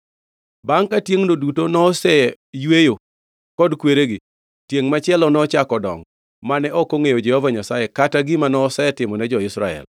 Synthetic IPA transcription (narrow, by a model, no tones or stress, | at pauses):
baŋkatjeŋnodutonɔsɛ | jwejo | kɔdkweɾeɡɪ | tjeŋmat͡ʃɪɛlɔnɔt͡ʃakɔdɔ̰ŋ | manɛʔɔkoŋejod͡ʒɛhovaɲasajekataɡɪmanɔːsɛɛtɪmɔnɛd͡ʒɔɪsɾaɛ̰l